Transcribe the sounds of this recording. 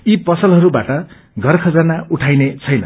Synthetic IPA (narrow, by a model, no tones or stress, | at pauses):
ipʌsʌlɦʌɾubaʈʌ | ɡʱʌrkʰʌd͡zanauʈʰajnet͡sʰʌjnʌ̰